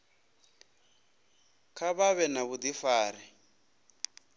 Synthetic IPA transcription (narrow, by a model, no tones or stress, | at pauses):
kʰaβaβɛnaβud̪ifaːɾi